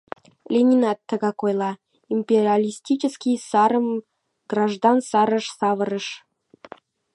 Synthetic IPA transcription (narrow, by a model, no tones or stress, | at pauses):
lʲenʲinɑt̪ːəɡɑkojlˠɑ | imʲpʲerʲialʲisʲtʲit͡ɕəskʲijsɑɾə̆m | ɡ̥rɑʒd̪ɑnsɑɾə̆ʃsɑvə̆ɾə̆ʃ